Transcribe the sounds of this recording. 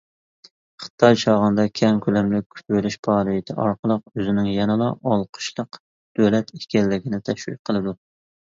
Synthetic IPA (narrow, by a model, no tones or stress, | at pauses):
χɨ̥t̪ʰɑjt͡ʃʰɑːʁənd̪ɑkʲʰɛmkʲʰølɛmlɪk̚ʲʰy̥t̪belyʃpʰɑːɾɨjt̪ʰɪ̰ʔɑɾqəlˠəq̚øzɪnɪŋjɛnɨlˠɑʔɑlˠqʰʊ̥ʃlˠəq | d̪̥ølɛt̪ʰekʲɛlːɪɡʲinɪt̪ʰɛʃwḭk̚qʰəlˠɨd̪u